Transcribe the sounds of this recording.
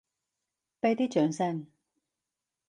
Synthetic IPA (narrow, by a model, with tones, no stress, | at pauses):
pe˧jt̪iː˥t͡ʃœː˨˥ŋsɛ˧ŋ